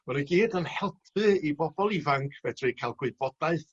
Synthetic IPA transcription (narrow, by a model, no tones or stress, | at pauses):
ɔɾəɡiːdənhɛlˠpʰɨibɔbɔlˠivaŋkʰv̥ɛdrɨkʰajlˠɡwɪb̥ɔd̥aɨθ